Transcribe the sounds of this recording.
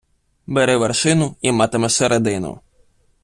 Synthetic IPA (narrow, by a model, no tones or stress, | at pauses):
bɛɾɛʋɛrʃɪnʊimɑt̪emɛsɛɾed̪ɪnʊ̰